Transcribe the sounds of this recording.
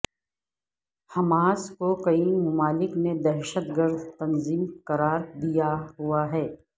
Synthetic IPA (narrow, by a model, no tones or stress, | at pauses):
hɐmaːskokɐimʊmaːlɪkned̪ɛːʃət̪ɡəɾd̪t̪ɐnziːmkɐɾaːɾd̪ijaɦuaɦɛː